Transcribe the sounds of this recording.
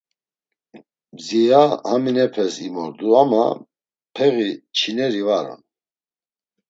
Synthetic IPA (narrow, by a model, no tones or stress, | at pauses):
zijahaminɛpʰɛsimɔɾd̪uama̰ | pʰɛɣit͡ʃʰinɛɾivaɾɔ̰n